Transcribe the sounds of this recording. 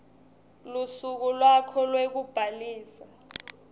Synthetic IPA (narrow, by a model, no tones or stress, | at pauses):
lusuk̬ulwakʰɔlwek̬ub̥ʱaliːsa